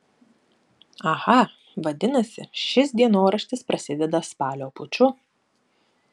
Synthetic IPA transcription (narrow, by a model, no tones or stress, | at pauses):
ɐɣɐ | ʋɐd̪ʲɪnɐsʲɪ̰ʃʲɪsd̪ʲiɛnoːɾɐʃʲt̪ʲɪspɾɐsʲɪd̪ʲɛd̪ɐspɑːlʲoːpʊt͡ʃʲʊ